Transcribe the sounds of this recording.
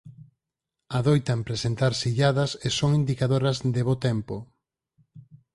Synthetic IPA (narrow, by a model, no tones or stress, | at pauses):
aðojt̪ampɾesent̪aɾsiʎaðɐsesoŋind̪ikaðoɾɐzðeβot̪ɛmpo